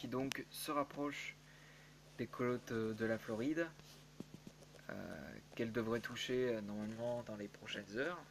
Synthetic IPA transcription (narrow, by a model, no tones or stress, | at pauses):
kʲid̪ɔ̃ksəʁapχɔʃ | d̪ekʰɔlɔt̪d̪əlaflɔʁid̪ | ø̰kɛld̪əvʁɛt̪ʰuʃeønɔʁmalmɑ̃d̪ɑ̃lepχɔʃɛnzœːʁ